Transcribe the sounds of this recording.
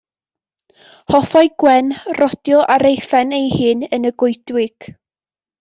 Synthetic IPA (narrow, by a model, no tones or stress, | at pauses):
hɔfɔjɡ̥wɛnrɔd̥jɔʔaɾejfɛnejhɨːnənəɡʊjdwɪɡ̥